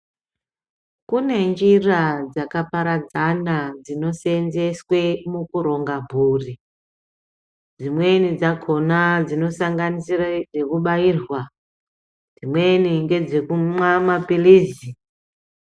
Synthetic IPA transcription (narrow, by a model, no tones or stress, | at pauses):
kune̞nd͡ʒirad͡zakapaɾad͡zanad͡zino̞senze̞swemukuɾo̞ŋɡabʱuːri | d͡zimwe̞nid͡zakʰo̞nad͡zino̞saŋɡanisirad͡ze̞kuɓaiːrwa | d͡zimwe̞niŋɡe̞d͡ze̞kumwamapiliːzi